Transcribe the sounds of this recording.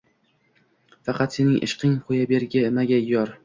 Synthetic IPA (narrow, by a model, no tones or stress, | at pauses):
fɑqɑt̪se̞nɪŋʔɪ̰ʃqɨŋqʰojabe̞ɾɡʲɪmaɡʲajɒɾ